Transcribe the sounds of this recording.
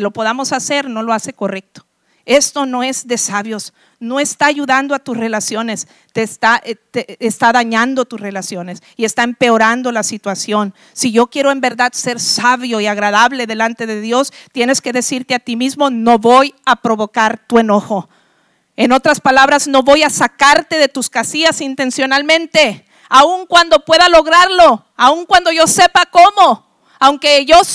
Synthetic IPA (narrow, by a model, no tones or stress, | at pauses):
lo̞po̞ðamo̞sase̞ɾno̞lo̞ase̞ko̞re̞k̚t̪o̥ | e̞st̪o̞no̞e̞zðe̞saβjo̞s | no̞e̞st̪aːʝuðand̪oat̪usre̞lasjo̞ne̞s | t̪e̞st̪aʔt̪eːst̪aðaɲand̪ot̪usre̞lasjo̞ne̞s | ie̞st̪aempe̞o̞ɾand̪o̞lasit̪wasjo̞n | siʝo̞kje̞ɾo̞e̞mbe̞ɾðaðse̞ɾsaβjo̞iaɣɾaðaβle̞ðe̞lant̪e̞ðe̞ðjo̞st̪je̞neske̞ðe̞siɾt̪eat̪imizmo̞no̞βo̞japɾo̞βo̞kaɾt̪ue̞no̞xo̞ | eno̞t̪ɾaspalaβɾazno̞βo̞jasakaɾt̪e̞ðe̞t̪uskasiasint̪e̞nsjo̞nalmẽnt̪e̞ | auŋkwand̪o̞pweðalo̞ɣɾaɾlo̞ | auŋkwand̪o̞ʝose̞pako̞mo̞ | awŋke̞ʝo̞